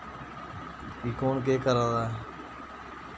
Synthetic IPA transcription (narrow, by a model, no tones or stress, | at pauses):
iːkoːnk̬eːkəɾãːd̪aːe